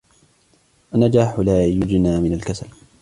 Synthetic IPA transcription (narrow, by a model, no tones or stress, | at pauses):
ʔanad͡ʒaːħʊlaːjʊd͡ʒnaːmɪnalkasal